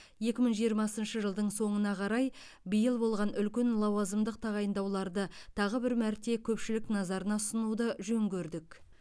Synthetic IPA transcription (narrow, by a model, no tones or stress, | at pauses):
je̞kʲɪməɴʒijəɾmɑsənʃəʒəlˠd̪əɴso̞ɴənɑqʰɑɾɑj | bəjəlˠbo̞lˠʁɑnʏlkʲenlˠɑwɑzəmd̪əq̚t̪ʰɑʁɑjənd̪ɑwlˠɑɾd̪ət̪ʰɑʁəbɪɾmæɾt̪e̞kʲʰɵpʃɪlɪknɑzɑɾənɑsənuwd̪əʒɵŋɡʲeɾd̪ɪk